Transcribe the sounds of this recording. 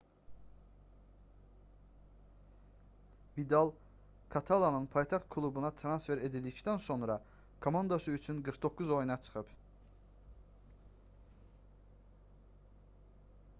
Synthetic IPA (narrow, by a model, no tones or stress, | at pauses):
vid̪alˠ | kʰat̪ʰalˠanɯnpʰɑjt̪ʰɑχt̪̚kʰulˠubunɑt̪ʰɾansfeɾe̞d̪ilʲd̪icd̪ænso̞nɾɑ | kʰo̞mand̪osɯyt͡ʃʰynɡɯɾkd̪o̞kʰuzo̞jnɑt͡ʃʰɯ̥χɯp